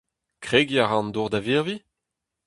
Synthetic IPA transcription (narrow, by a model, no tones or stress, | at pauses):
kχeɡjaʁɑ̃nd̪uʁd̪aviʁvi